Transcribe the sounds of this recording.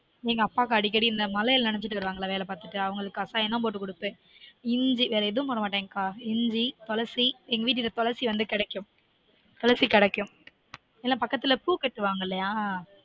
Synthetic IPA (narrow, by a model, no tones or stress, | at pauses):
niːŋɡɐːpːaːkɐɐɽɪkːɐɽiɪnd̪ɐmɐlɐjɐlnɪnɛt͡ʃːɪʈːɯʋɐɾɯʋaːŋɡɐɭaːʋeːlɐpaːɾt̪ɯʈːɯɐʋɐŋɡɐɭɯkːɯɐsaːɛnːɐ̃poːʈːɯkːʊɽɯpːɯ̃ | ɪɲd͡ʒiʋeːɾɐɛðɯʋɯmpɔɾɐmaːʈːeːŋɡɐkaːɪɲd͡ʒit̪ɔlɐɾsiɛŋɡɐʋiːʈ̬ːɪʈːɐt̪ɔlɐɾsiʋɐnd̪ɯkɪɽɛkːɯm | t̪ɔlɐɾt͡ʃikɪɽɛkːɯm | ɛlːaːpɐkːɐt̪ːɪlɐpuːkɛʈːɯʋaːŋɡɐɪlːɐjaː